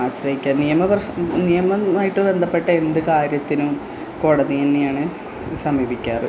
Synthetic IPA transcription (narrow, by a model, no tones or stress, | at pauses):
aːɕɾɐɦikʲːaːnijɐmɐpɐrɐnijɐmɐaːjiʈːɨbe̞nd̪ʱɐpːe̞ʈːɐe̞nd̪ɨkaːɾjɐt̪ːinum | ko̞ːɽɐðienːejaːɳɨ | sɐmiːbikʲːaːrɨ